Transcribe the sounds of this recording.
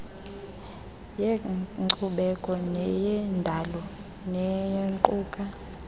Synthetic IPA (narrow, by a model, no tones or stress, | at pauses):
jeǀuɓɛkʼɔnɛjɛndʱalɔ | nɛjɔŋǃʼuːkʼa